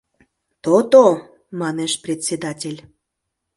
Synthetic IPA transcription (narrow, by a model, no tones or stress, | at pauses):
t̪ot̪o | mɑneʃprʲet̪ʲsʲed̪ɑtʲelʲ